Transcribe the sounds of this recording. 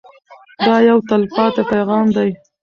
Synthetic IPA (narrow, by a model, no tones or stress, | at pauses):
d̪ɑjawt̪alpɑt̪apajɣɑmd̪aj